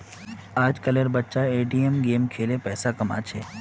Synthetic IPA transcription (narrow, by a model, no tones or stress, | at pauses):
aːd͡ʒkɐleɾbətːʃaeːʈiemɡeːmkʰeːlepɛːsakɐma̰t͡ʃʰeː